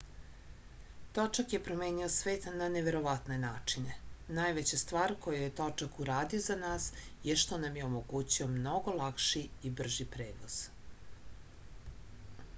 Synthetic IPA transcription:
t̪o̞t͡ʂakje̞pɾomeːniosʋeːt̪naneʋe̞ɾo̞ʋat̪ne̞naːt͡ʂine̞naːjʋet͡ɕast̪ʋaːɾko̞jajet̪ot͡ʂakuɾaːd̪iozanaːsjeʃt̪o̞namjeomo̞ɡuːt͡ɕiomno̞ɡo̞lˠakʃiibr̩ʒipɾeːʋoz̥

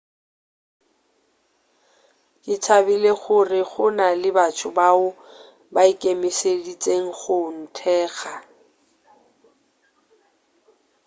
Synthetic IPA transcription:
kʼɪt͡sʰabɪleχʊrɪχʊnalɪbat͡ʃʰʊbaʊ | baikʼemɪsedit͡sʼeŋ̩χʊn̩tʰɛːɣa

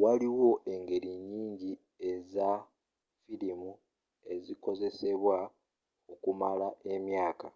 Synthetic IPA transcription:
waliwo̞ʔe̞ŋɡe̞ɾiɲːiːɲɟi | e̞za | filimu | e̞ziko̞ze̞se̞βwa | okumalae̞mjaːka

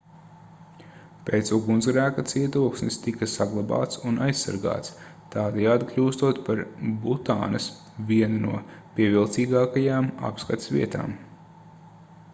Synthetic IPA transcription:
pʲeːt̪suɡunzɡɾæːkat̪siɛt̪uɔksnist̪ikɐsaɡlˠaba̰ːt̪sunajsːa̰ɾɡa̰ːt̪s | t̪aːd̪ɛjaːd̪iklʲuːst̪uɔt̪paɾbut̪a̰ːnɐs | vʲiɛnunuɔpʲiɛvʲilˠt̪siːɡaːkajaːma̰pskat̪svʲḭɛt̪a̰ːm

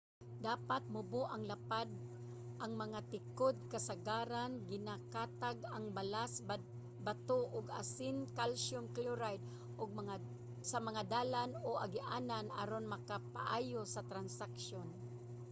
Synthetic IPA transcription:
d̪aːpat̪̚mʊboʔaŋlapad̪̚ | ʔaŋmɐŋat̪ɪkod̪̚kasaɡaːɾanɡɪnakaːt̪aɡaŋbalas | bat̪oʔʊɡa̰sɪnkalʃʊmkluɾajd̪̚ | ʔʊɡ̚a | samɐŋad̪aːlanoʔaɡɪʔaːnanʔa̰ɾonmɐkapa̰ʔaːjosat̪ɾansakʃon

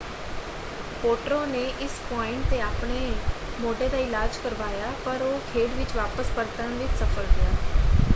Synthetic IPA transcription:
poːʈɾõːneːʔɪspɔːɪ̃ɳʈ̚t̪eːaːpɳeːmoːɖeːd̪aːɪlaːd͡ʒkəɾʋaːjaːpəɾoːkʰeːɖʋɪt͡ʃʋaːpəspəɾt̪ãnʋɪt͡ʃsəfʰəld̪ɪjaː

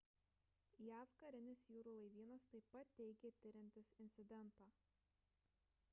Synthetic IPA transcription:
jæːʋkɐɾʲɪnʲɪsjuːɾuːlˠɐɪʋʲiːnɐst̪ɐɪpɐt̪̚ʲtʲːɛɪɡʲeːt̪ʲɪɾʲɪmʲt̪ʲɪsɪnʲt̪sʲɪd̪ʲɛnt̪ɑː

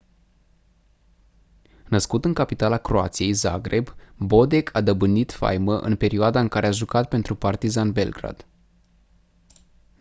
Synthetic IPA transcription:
nəskut̪ɨŋkapit̪alakɾo̞at̪sijejza̰ɡɾe̞bbo̞d̪e̞kʰad̪əbɨnːit̪fa̰jməʔɨ̰npe̞ɾioad̪aɨŋkaɾe̞aʒukat̪̚pe̞nt̪ɾupart̪izanbe̞lɡɾa̰d̪̥

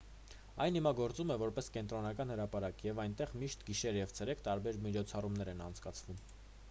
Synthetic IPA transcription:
ɑjnimɑɡɔɾt͡sumɛvɔɾpɛskɛnt̪ɾɔnɑkɑn̪həɾɑpɑɾɑkjɛvɑjnt̪ɛʁmiʃt̪ɡiʃɛɾjɛvt͡sʰɛɾɛkʰt̪ɑɾbɛɾmit͡ʃʰɔt͡sʰɑrumnɛɾɛnɑnt͡sʰkɑt͡sʰvum

